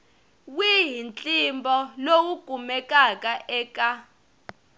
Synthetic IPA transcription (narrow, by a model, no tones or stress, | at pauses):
wiɦint͡ɬʼimbɔlowuɡ̥ʱumɛkʼakʼaʔɛːkʼa